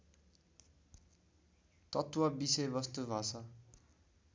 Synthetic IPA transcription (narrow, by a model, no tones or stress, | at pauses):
t̪ʌt̪wʌbisʌjbʌst̪ubʱat͡sʰʌ